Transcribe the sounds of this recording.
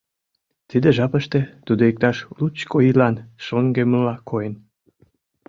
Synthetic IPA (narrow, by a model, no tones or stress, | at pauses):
t̪id̪eʒɑpəʃt̪et̪ud̪oek̚t̪ɑʃlut͡ɕkoilɑnʃoŋɡeməlɑkʰojen